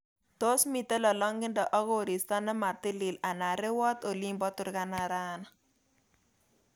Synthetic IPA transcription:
to˦smi˨te˦lɔ˨lɔ˦ŋɡɪ˦ndɔ˨ʔɔ˦ɣo˨ɾi˨sta˦nɛ˦ma˨rt̪ɪ˦li˨la˨na˨ɾɪ˦wɔ˦t̪o˨li˦mbɔ˦tʊ˦ɾka˦na˨ɾa˦na˨

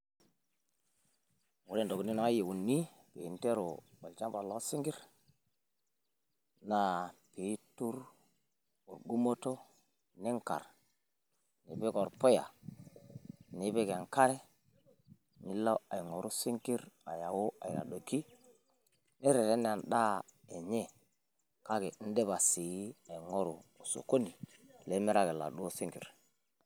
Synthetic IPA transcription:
ŋu˨ɾe˦ndo˨kni˦na˨˦a˦je˨wu˨nːi˦ | pḛ˨i˨nte˦ɾo˨ | o˨lt͡ʃa˦ba˨lːo˦si˦ŋɡi˦ɾ | na˦pe˨˦tu˦ɾ | u˨ɾɡu˦mo˦to˦ | ni˦ŋka̰˨ɾ | nḭ˨pe˦ko˨ɾpo˦ja̰˨ | ni˨˦be˦ke˨ŋka˦ɾe˦ | ni˦lːa˦a˨jŋo˨ɾʔu˦si˦ŋki˦ɾa˨ja˨wo˦ʔa̰˨j̰ɾa̰˨ɗo˨ki˦ | ni˦ɾe˨ɾe˦n˦a˨nɗa˦e˨ɲe˦ | ka˦ke˨˦n̩˦de˦ba˨si˨ji˦a˨ŋo˦ɾu˨o˨so̰˨ko˦ni˨le˨˦me˦ɾa˦ɡe˨la̰˨ɗu˦o˦si˦ŋkḭ˨ɾ

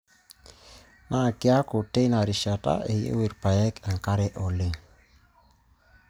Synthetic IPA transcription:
ma˦˨kja˦ko˨te˦na˨ɾi˨ʃa˨ta̰˦ʔe˨jḛ˦wi˨ɾpa˨jɛ˦ka˨ŋka˦ɾɛ˦ʔɔ˨le˦

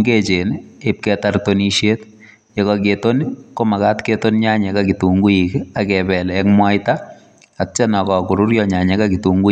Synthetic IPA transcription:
ŋɡe˦t͡ʃenep̚kɛtartoniʃje˦t | jɔ˨kaketo˦niko˦ma˨ka˦tke˦to˦nɲa˦ɲɛ˨kakitu˨ŋɡu˦jikakɛbɛ˨lɛkmwa˦jta | att͡ʃɛ˦na˨kɔ˨ku˨ɾu˦ɾjɔɲa˨ɲɛ˦kaki˨tu˨ŋɡu˦

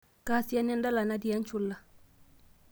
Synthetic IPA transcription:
ka˦si˦a˦nɛ˦nda˦la˨na˦di˨a˦n˦t͡ʃu˦lːa˨

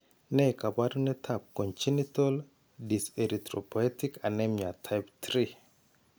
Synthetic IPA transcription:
nɛ˦ka˨ba˦donɛ˦tʰap̚kɔ˨nt͡ʃi˦nitɔl | di˨seɾit̪ɾo˨pɔ˨ɛ˦tika˨nɛmɲa˨tʰa˦jpt̪ɾi

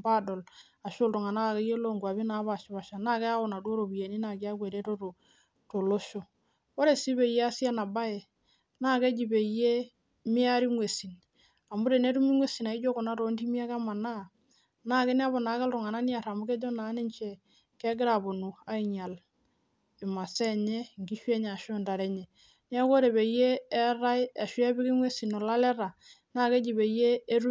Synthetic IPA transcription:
ba˦˨dɔ˨l | a˨ʃʊ˦ltu˨ŋa˨na˦ka˨ke˦je˦lo˦˨ŋɡwa˨βi˦na˨˦βa˦˨ʃɪ˦ba˨ʃa˨na˦˨kɛ˦a˦ʊ˨na˨dwo˦ɾo˨bi˨je˨ni˦na˨ki˦a˦kwe˨ɾe˦to˦to˨ | to˨lo˦ʃo˨ | wo˦ɾe˨si˦be˨je˦a˦sja˦na˨ba˦je˨ | naː˦˨ke˦d͡ʒi˨pe˨je˦ | mɪ˦a˦ɾi˦ŋwe˨si˨n | a˨mu˦ɾe˨ne˦tu˦mi˦ŋwe˦si˨na˨i˦d͡ʒo˦ko˨na˦to˨˦nti˦mi˦a˦ka˦ma˨na˦˨ | na˦kɪ˦nɛ˦a˦βɔ˨na˨˦kɪ˦lɾu˨ŋa˨na˦ni˦a˨ɾa˨mu˦ke˦d͡ʒo˦na˨˦ni˦ɲt͡ʃe˦˨ | ke˦ɡɪ˦ɾa˨bu˨nu˨a˦i˨ɲa˨l | ɪ˨ma˨sɛ˦˨ɲe˦˨ŋɡi˦ʃwɛ˦ɲ˨a˨ʃo˦˨nda˨ɾɛ˦ɲe˨ | n˦a˦ko˦ɾe˨βe˨˦jeː˦ɾa˦ja˨ʃi˦ɛ˦bɪ˦kɪ˦ŋwe˦si˨no˨la˦lɛ˦ɾa˨ | naː˦ke˦d͡ʒi˨be˨˦jeː˦ɾu˦

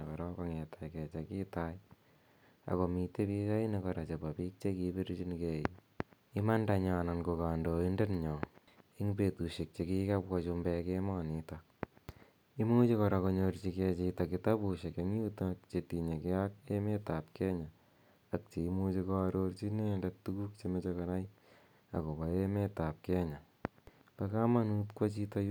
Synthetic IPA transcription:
kaɾɔ˦ka˦ŋe˨tʰa˨jkɛ˨t͡ʃa˨ki˦taj | a̰˨ko˨mi˧te˦pi˦sa˦i˦nekɔɾa˨t͡ʃe˨pa˨piː˦k̚t͡ʃe˦kipi˦ɾt͡ʃi˦nke˦i | i˦ma˦ndaɲa˨na˨nko˨ka˨ndo˨inde˦nɲɔ˨ | i˦ŋpe˨tu˨ʃi˨k̚t͡ʃe˨ki˦kapkat͡ʃumbɛkemɔnita | i˦mu˦t͡ʃekɔɾa˨ko˧ɲort͡ʃi˧ke˧t͡ʃita˨kɪtapu˨ʃe˨keŋi˦utkt͡ʃeti˨ɲe˨kɪak̚e˦me˦tap̚kɛ˦ɲaː˨ | k̚t͡ʃe˨imut͡ʃe˧ko˧a˧ɾort͡ʃine˦ndatuku˦k̚t͡ʃemet͡ʃekɔna˦j | a̰˨ko˨ka˨eme˦ta˨p̚kɛ˦ɲa˨ | paka˦ma˦nutkwa˦t͡ʃitaj

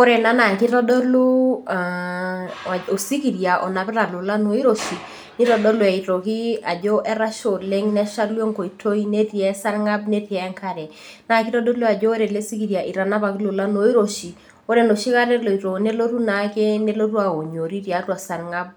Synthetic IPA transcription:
o˦ɾe˨na˦na˨ki˦ɾɔ˦dɔ˦lu˦a˨ | o˨si˦ki˨ɾja˨ʔɔ˨na˨pɛ˦ɾa˨lo˨la˦no˨i˦ɾo˨ʃi˨ | ni˦ɾɔ˨dɔ˦lu˨ɛ˨i˨to˨ki˦a˨d͡ʒo˦ʔɛ˦ɾa˦ʃo˨le˦ŋnɛ˦ʃa˦lwo˦ŋko˨i˨tʰo˦i˦ne˦ti˨ɛ˦sa˦ɾŋa˦bne˦ti˨ɛ˨˦ŋka˦ɾɛ˨ | na˦ki˦ɾɔ˦dɔ˦lu˦a˨d͡ʒo˦ɾe˨le˦si˦ki˨ɾja˨ʔi˨ɾa˨na˦pa˨kɪ˦lo˨la˦no˨˦i˦ɾo˨ʃi˨ | o˦ɾe˨no˨ʃi˦ka˦ɾɛ˦lo˨i˨ɾo˨ne˦lo˦ɾu˦na˨ke˦ne˦lo˦ru˦a˨o˨ɲo˨ɾi˦ɾja˨ɾwa˨sa˨ɾŋa˦b̚

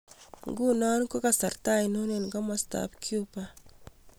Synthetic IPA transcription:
ŋɡu˦nɔ˦nko˦ka˨sa˨ɾta˦jnu˦ne˨nɡɔ˦ma˦sta̰pkʰju˦pa˦

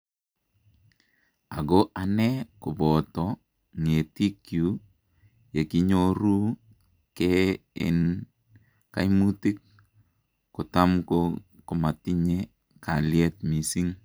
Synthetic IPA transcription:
a˨ɡo˦a˨nɛ˦kʊ˨bɔ˨tɔ | ŋe˨ti˦kju˨˦ | je˨ki˦ɲo˦ɾu˦ | kɛ˦ɪ̰˨n | ka˦jmu˦ti˦k̚ | kʊ˨ta˦mko˦ | kʊ˨ma˨ti˦ɲe˦ | ka˨ljɛ˦t̚mi˨si˦ŋ

